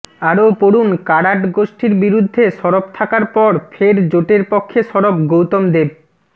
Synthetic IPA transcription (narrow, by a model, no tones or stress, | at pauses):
aɾopoɽunkaɽaʈɡoʃʈiɾbiɾud̪ʱːeʃɔɾop̚t̪ʰakaɾpɔɾfʰeɾd͡ʑoʈeɾpokʰːeʃɔɾopɡowt̪omd̪eb